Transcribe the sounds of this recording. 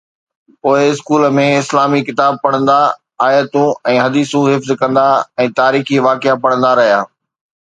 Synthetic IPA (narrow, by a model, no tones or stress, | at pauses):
poːɪɪskuːləmẽɪslaːmikɪt̪aːb̚pɐɽ̃ə̃nd̪a | aːjət̪ũɛ̃ːɦɐd̪iːsũɦɪfzkɐ̃nd̪aɛ̃ːt̪aːɾiːxiʋaːkɪapɐɽə̃nd̪aɾɐɦijaː